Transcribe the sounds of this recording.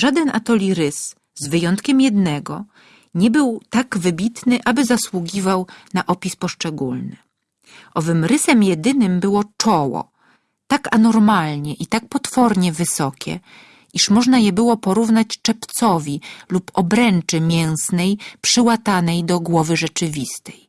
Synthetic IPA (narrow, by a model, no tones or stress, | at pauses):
ʐad̪ɛnʔat̪ɔlʲiɾɘs | zvɘjɔnt̪kʲɛmjɛd̪nɛɡɔ̰ | ɲɛbɘwt̪aɡvɘbʲit̪nɘʔabɘzaswuɡʲivawnaʔɔpʲispɔʂt͡ʂɛɡulnɘ | ʔɔvɘmɾɘsɛmjɛd̪ɘnɘmbɘwɔt͡ʂɔwɔ̰ | t̪akanɔɾmalɲɛʔit̪ak̚pɔt̪fɔɾɲɛvɘsɔkʲɛ̰ | iʂmɔʐnajɛbɘwɔpɔɾuvnat͡ɕt͡ʂɛpt̪sɔvʲilupɔbɾɛnt͡ʂɘmʲjɛw̃snɛjpʂɘwat̪anɛjd̪ɔɡwɔvɘʐɛt͡ʂɘvʲist̪ɛj